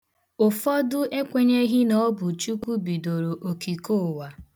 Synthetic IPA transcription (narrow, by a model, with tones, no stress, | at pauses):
ʊ˨fɔ˦dʊ˦ʔe˦kʷe˦ɲe˦ɦi˦nɔ˦bʊ˨t͡ʃu˦kʷu˦bi˨do˨ɾo˨ʔo˨ki˨ko˦˨wa˨